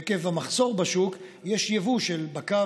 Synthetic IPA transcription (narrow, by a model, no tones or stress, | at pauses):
kevhamaχso̞ʁbaʃukjeʃjavuʃelbaka